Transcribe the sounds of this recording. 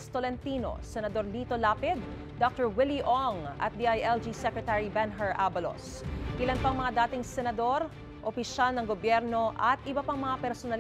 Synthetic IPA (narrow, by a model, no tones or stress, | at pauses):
st̪olɛnt̪iːno̰sɛnɐd̪o̞ɾlit̪olaːpɪd̪̚ː | ok̚t̪ɛɹwɪliʔoŋʔɐ̰t̪̚d̪iajʔɛld͡ʒisɛkɹɛt̪aɹibɛnɦɛɹʔaːbɐlo̰s | ʔɪlɐnpɐŋmɐŋad̪aːt̪ɪŋsɛnɐd̪o̞ɾ | ʔopɪʃalnɐŋɡobjɛɾno̞ʔɐt̪ʔɪbɐpaŋmɐŋapɛɾsonɐl